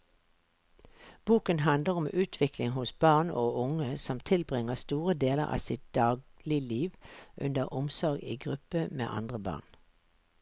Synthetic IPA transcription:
b̥uːkənhɑnd̪ləʁɔmʔʉːt̪ʰʋɪklɪŋhʊsbɑːʁnoːʊŋəsɔmt̪ʰɪlbʁɪŋəst̪uːʁəd̪eːlə̰ʁɑ̰ːsɪt̪̚d̪̥ɑːɡlɪliːʋʔʉ̰nd̪əʁʔʊmsɔʁɡḭːɡʁʉpəmḛːʔɑ̰nd̪ʁəbɑ̰ːn

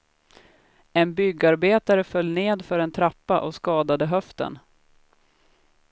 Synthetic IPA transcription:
ɛnbʏɡːaɾbeːt̪aɾəfœlːneːd̪fœɾɛnt̪ʰɾapːaʔɔskɑːd̪ad̪əɦœft̪ə̰n

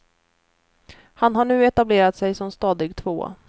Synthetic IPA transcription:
hanɦaɳʉ̟ːɛt̪ableːɾat̪sɛjsɔmst̪ɑːd̪ɪɡ̚t̪ʰvo̰ː

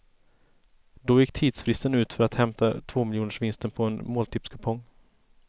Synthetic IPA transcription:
d̪ɔjɪkːt̪ʰiːd̪sfɾɪst̪ənʉ̟ːt̪fœɾat̪hɛmt̪ʰat̪ʰvoːmɪljuːnəʂvɪnst̪ənpʰɔɛnmoːlt̪ʰɪpskʰɵpʰɔŋː

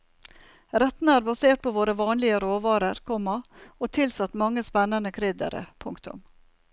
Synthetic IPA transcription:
ɾɛt̪nəæːɾbɑseːʈ̚pʰoːʋoːɾəʋɑːnlɪəɾoːʋɑːɾəɾkʰɔmɑoːt̪ʰɪlsɑt̪ːmɑŋːəspɛnːənəkʰɾɪd̪ə̰ɾə̰pʰʊŋkt̪ʊ̰m

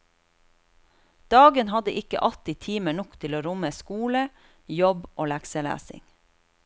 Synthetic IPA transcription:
d̪̥ɑːɡənhɑd̪əʔɪkə̰ʔɑt̪ɪt̪ʰiːməɳɔkt̪ʰɪloːɾʊməskuːlə | jɔboːlæksəlæ̰ːsɪ̰ŋ

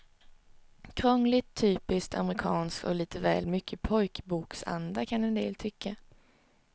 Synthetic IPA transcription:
kʰɾɔŋlɪt̪ʰːyːpɪskt̪ʰa̰məɾɪkʰɑːnskɔ̰liːt̪əvɛːlmʏkʰːəpʰɔjkbuːksa̰nd̪akʰanɛnd̪ḛːlt̪ʰʏkʰːa

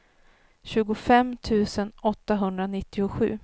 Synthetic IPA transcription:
ɕʉ̟ːɡʊfɛmt̪ʰʉ̟ːsənɔt̪ːaɦɵnd̪ɾanɪt̪ːɪʊɧʉ̟̰ː

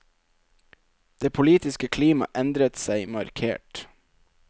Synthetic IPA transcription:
d̪̥eːpʰʊliːt̪ɪskəkʰliːmɑ̰ʔɛnd̪ɾət̪sæɪmɑɾkʰḛːʈ

